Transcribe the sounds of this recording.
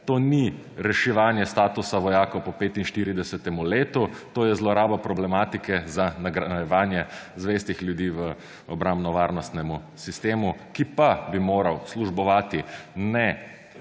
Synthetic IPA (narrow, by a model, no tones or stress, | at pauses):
t̪oːni | ɾɛʃɛʋaːnjɛst̪aːt̪usaʋɔjaːkowpɔpeːt̪inʃt̪iɾid̪ɛsɛt̪ɛmuleːt̪ut̪oːjɛzlɔɾaːbapɾɔblɛmaːt̪ikɛzanaɡɾajɛʋaːnjɛzʋeːst̪ixlʲjud̪iːʋə | ɔbɾambnɔʋaːɾnɔst̪nɛmu | sist̪eːmukipabimoːɾawsluʒbɔʋaːt̪inɛ